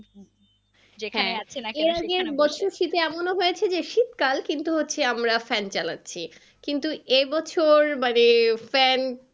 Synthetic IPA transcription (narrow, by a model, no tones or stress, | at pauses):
d͡ʑekhaɛ̃eat͡ɕʰenaeɾaɡeɾbɔt͡ɕʰoɾʃit̪eɛmonoɦojet͡ɕʰed͡ʑeʃit̪kalkint̪uɦotːɕʰeamɾafɛnt͡ɕalatːɕʰi | kint̪uebɔt͡ɕʰoɾmanefɛn